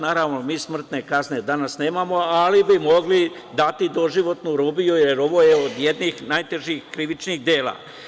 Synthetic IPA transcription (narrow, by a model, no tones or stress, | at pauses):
naːɾaʋnomiːsmr̩t̪ne̞kazne̞d̪anasne̞ːmamo̞alibimo̞ɡli | d̪at̪id̪o̞ʒiʋo̞t̪nuɾuːbijujeɾo̞ʋoːjeod̪jed̪niːxnajt̪eʒiːxkɾiʋit͡ʃniːɣd̪eːla̰ː